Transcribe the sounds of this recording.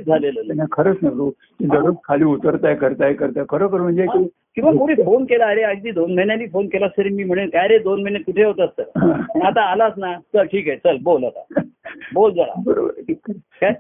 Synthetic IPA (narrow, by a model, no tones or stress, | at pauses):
d͡zʱalelənakʰəɾət͡snəɡɾo | t̪id̪əɾəskʰaliːut̪əɾt̪ajkəɾt̪ajkəɾt̪ajkʰəɾəːkəɾm̤ə̃ɳd͡ʑeki | kĩʋakoɽiːfonkelaːɾeəd͡ʑd̪iːd̪onməjinjaliːfonkelasəɾiːmiːm̤əɽ̃enkajɾed̪onm̤ənet̪̚kuʈʰeɦot̪ːst̪əɾat̪aːlasnat͡səlʈʰiːkaet͡səlbolat̪a̰bold͡zaɭa̰bəɾo̰bəɾʈʰiːkːəɾka